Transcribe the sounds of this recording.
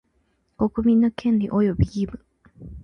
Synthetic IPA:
ko̞kɯ̟mʲĩnːo̞kʰẽnɾʲḭʔojobʲiɡʲimɯ

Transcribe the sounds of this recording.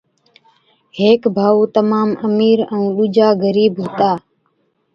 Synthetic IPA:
ɦeːkbʱaːuːt̪əmaːməmiːɾəũːɗuːd͡ʒaːɡəɾiːbɦoːt̪aː

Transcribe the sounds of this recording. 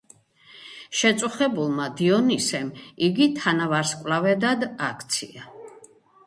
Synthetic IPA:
ʃɛt̪sʼuχɛbulˠmad̪iɔnisɛmiɡit̪ʰanavaɾskʼvlavɛd̪ad̪akʰt̪sʰḭa

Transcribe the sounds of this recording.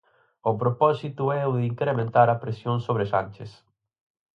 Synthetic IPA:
opɾopɔsit̪ʊɛʊðiŋkɾemẽnt̪aɾapɾesjõnsoβɾesanʲt͡ʃes

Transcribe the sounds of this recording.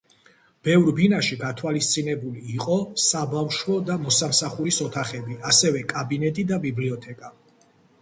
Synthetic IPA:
b̥ɛvɾbinaʃiɡat̪ʰwalist̪sʼinɛbuliːqʼɔsabamʃwɔd̪amɔsamsaχuɾisɔt̪ʰaχɛbiasɛvɛkʼabinɛt̪ʼid̪abibliɔt̪ʰɛkʼa

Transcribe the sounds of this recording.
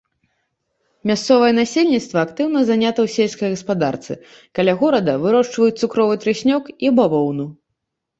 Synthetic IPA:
mʲast̪sɔvɐjɛnasʲelʲnʲit̪st̪vɐːkt̪ɨwnɐzanʲat̪ɐwsʲelʲsʲkɐjɣɐspad̪a̰rt̪sɨ̰ | kalʲaɣɔɾɐd̪ɐvɨɾɔʂt͡ʂvɐjut͡s̚ʲt̪sukɾɔvɨt̪ɾɨsʲnʲɔkibavɔwnu

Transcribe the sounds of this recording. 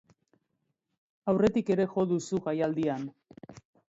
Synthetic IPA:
awre̞t̪ike̞ɾe̞xo̞ðusuɣajald̪ian

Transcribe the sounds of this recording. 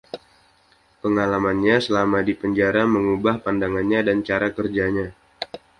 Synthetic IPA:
pəŋalamanɲasəlamadipəɲd͡ʒaɾaməŋubahpandaŋanɲadant͡ʃaɾakərd͡ʒaɲa

